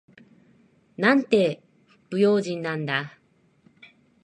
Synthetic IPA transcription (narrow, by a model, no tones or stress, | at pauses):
nãnt̪e̞ | ɸɯ̥pːɯ̟jo̞ːʑĩnːãnd̪a